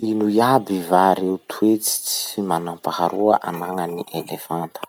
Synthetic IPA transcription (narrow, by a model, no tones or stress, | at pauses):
inujabivaɾeut̪ʰuet͡si̥t͡simanampahaɾʔuəʔa̰naŋəniʔelefant̪ə̥